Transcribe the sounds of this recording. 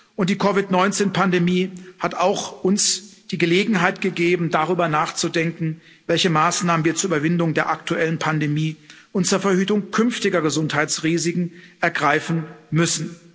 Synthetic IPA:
ʔʊnt̚d̥iːkʰɔvɪtnɔʏnt͡seːnpʰandemiːhataʊxʔʊnsd̥iːɡəleːɡŋ̩ɦaɪtɡ̥əɡeːbm̩daʁyːbɐnaːχt͡sudɛŋkŋ̩ | vɛlçəmaːsnaːmən̩viːɐt͡suɐʔyːbɐvɪndʊŋdeːɐʔaktuʔɛlənpʰandemiː | ʔʊntt͡suːɐfɛɐhyːtʊŋkʰʏnftɪɡɐɡəzʊnthaɪt͡sʁiːzɪkŋ̩ʔɛɐɡʁaɪfn̩mʏsn̩

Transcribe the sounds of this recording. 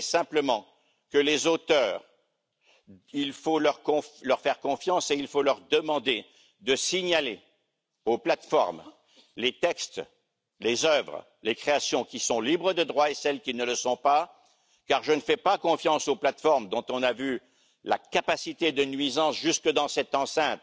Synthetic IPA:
sɛ̃pləmɑ̃ | kəlezot̪œːʁ | ilfolœʁkɔ̃flœʁfɛʁkɔ̃fjɑ̃seilfolœʁd̪əmɑ̃d̪e | d̪əsiɲale | oplat̪fɔ̰ʁm | let̪ɛkst̪ | lezœvʁ | lekχeasjɔ̃kʲisɔ̃libʁəd̪əd̪ʁwaesɛlkʲinələsɔ̃pa | kaʁʒənəfɛpakɔ̃fjɑ̃soplat̪fɔʁmd̪ɔ̃t̪ɔ̃navy | la̰kapasit̪ed̪ənɥizɑ̃sʒyskəd̪ɑ̃sɛt̪ɑ̃sɛ̃t̪

